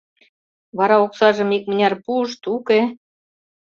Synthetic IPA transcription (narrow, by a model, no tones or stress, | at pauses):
βɑɾɑoksɑʒə̆mik̚mə̆nʲɑrpuʃt̪uke